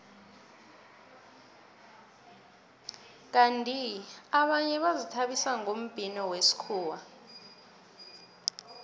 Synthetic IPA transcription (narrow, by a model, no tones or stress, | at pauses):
k̬antʼiaɓaɲɛɓazitʰaɓisaŋom̩b̥ʱinɔwesi̥kʰuːwa